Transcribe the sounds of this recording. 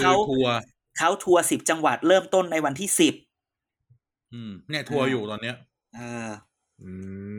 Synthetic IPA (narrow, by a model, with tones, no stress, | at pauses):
kʰa˦˥wt̪ʰu˧ɐ | kʰa˦˥wt̪ʰu˧ɐsi˨˩p̚t͡ɕa˧ŋwa˨˩t̪̚ɾɤː˥˩mt̪o˥˩nːa˧jwa˧nt̪ʰiː˥˩si˨˩p̚ | ʔɯː˧˩mnɛ˥˩t̪ʰu˧ɐjuː˨˩t̪ɔː˧nːi˦˥ɐ | ʔɤː˧ | ʔɯː˧˩